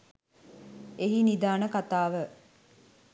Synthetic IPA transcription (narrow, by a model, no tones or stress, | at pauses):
eɦinid̪aːnəkat̪aːʋə